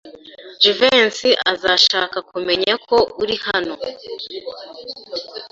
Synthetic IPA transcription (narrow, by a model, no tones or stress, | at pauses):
d͡ʒuvensiʔazaʃaːkakume̞ɲakʰo̞uɾihano̞